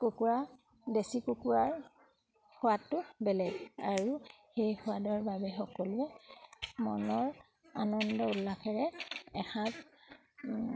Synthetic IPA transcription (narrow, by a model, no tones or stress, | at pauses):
kokuɹa | desikukuɹaɹ | hʊwatːʊbɛlɛɡaɹu | xejxʊadɔɹbabɛxɔkɔluɛ | mɔnɔɹ | anɔndɔulːakʰaɹɛɛxʰãp